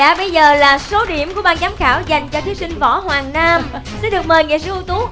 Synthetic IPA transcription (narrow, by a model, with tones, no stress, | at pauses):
a̰ː˧˩ɓə˧jzəː˨˩laː˨˩so˨˦ɗi˧˩əmku˧˩əɓaː˧nzaː˨˦mxaː˧˩wza˨˩jŋ̟t͡ɕɔ˧t̪ʰi˨˦wsï˧ŋ̟vɔ˧˦hwaː˨˩ŋnaː˧msi˧˥nɗɨ˨˩ək̚məː˨˩jŋa̰˧˨jsḭ˧˥˦ʔu˧t̪u˨˦